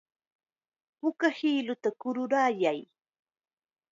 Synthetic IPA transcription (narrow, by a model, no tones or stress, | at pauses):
pʊkahiːlʊt̪akʊɾʊɾaːjaj